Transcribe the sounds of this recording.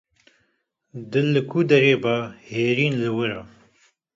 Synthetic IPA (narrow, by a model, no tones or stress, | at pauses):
d̪ɨlːɨkʰuːd̪ɐɾeːbaheːɾiːnlɨwəɾa